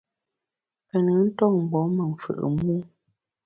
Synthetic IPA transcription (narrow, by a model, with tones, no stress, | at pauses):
pə˨nə˨˦n̩˦tɔ˦˨ŋ̩˨ɡ͡bɔ˨˦mə˨ŋ̩˨fɨ̰˨ʔə̰˨mu˦